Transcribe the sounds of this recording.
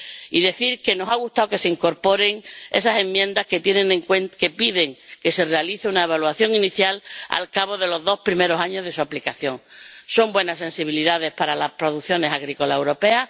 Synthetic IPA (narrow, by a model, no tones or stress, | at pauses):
iðe̞θiɾke̞no̞saɣ̞ust̪aoke̞se̞iŋko̞ɾpo̞ɾe̞ŋe̞sasẽ̞mːje̞nd̪ahke̞t̪je̞nẽneŋkwenke̞piðe̞ŋke̞se̞re̞aliθeunae̞β̞alwaθjo̞ŋiniθjala̰lkaβ̞o̞ðe̞lo̞zðo̞hpɾime̞ɾo̞saɲo̞zðesuaplikaθjo̞ŋso̞mbwe̞nase̞nsiβiliðaðe̞hpaɾalahpɾo̞ðuθjo̞ne̞saɣɾiko̞lae̞wɾo̞pe̞a